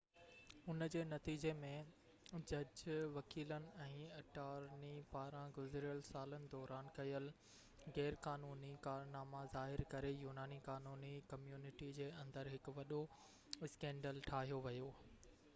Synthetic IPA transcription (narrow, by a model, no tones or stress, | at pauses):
ʊnd͡ʑeːnɐt̪iːd͡ʑemẽ | d͡ʑɐd͡ʑʋɐkiːlənɪ̆ɛ̃ːɐʈaːɾnipaːɾãɡʊzɾijəlsaːlənɪ̆d̪ɔːɾaːnkɐjəl | ɣɛːɾkaːnuːnikaːɾnaːmazaːɦɪɾkɐɾejuːnaːnikaːnuːnikɐmjuːnɪʈid͡ʑeːɐ̃nd̪əɾɦɪkʊ̆ʋɐɗo | ɪskɛ̃ːɳɖəlʈʰaːɦijoʋɐjoː